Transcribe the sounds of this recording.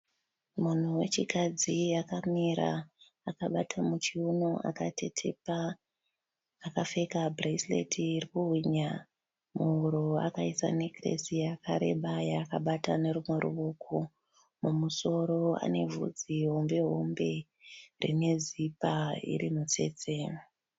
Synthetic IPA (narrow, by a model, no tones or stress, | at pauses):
mun̤uwe̞t͡ʃikad͡ziakamiɾa̰ː | kaɓatʰamut͡ʃiunoʔa̰katʰe̞tʰepa | kafe̞kabreislḛtʰiːrikuɦwiɲa | muuɾoa̰kaisa̰nekrḛsijakaɾe̞ɓajakaɓatane̞ɾumwe̞ɾṵʋo̞ko | mumuso̞ɾo̞a̰ne̞vṵd͡ziɦo̞mbe̞ɦo̞mbe̞ | rḭne̞zipaḭɾimut͡se̞̰ːt͡se̞